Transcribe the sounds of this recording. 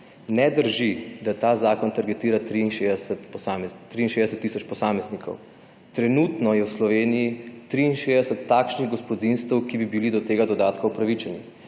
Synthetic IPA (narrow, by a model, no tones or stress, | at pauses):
nɛd̪əɾʒid̪at̪aːzaːkɔnt̪aɾɡɛt̪iːɾat̪ɾiːnʃesɛt̪psaːmɛt̪ːɾiːinʃeːd̪ɛsɛt̪ːisɔt͡ʃpɔsaːmɛznikʰɔ̰w | t̪ɾɛnuːt̪nɔjɛwslɔʋeːnijit̪ɾiːnʃeːzd̪ɛsɛt̪ːaːkʃniɣɡɔspɔd̪inst̪ɛwkibibilid̪ɔt̪eːɡad̪ɔd̪aːt̪kaupɾaʋit͡ʃɛni